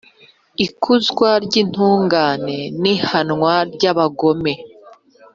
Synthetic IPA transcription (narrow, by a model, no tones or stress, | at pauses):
ikʰuzɡwaɾɟin̥huːŋɡaːne̞nihanŋwaɾɟaβaɡo̞me̞